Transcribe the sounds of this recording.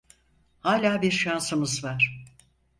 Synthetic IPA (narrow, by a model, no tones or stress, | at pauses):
haːlʲaːbiɾʃansɯmɯzvaɾ̥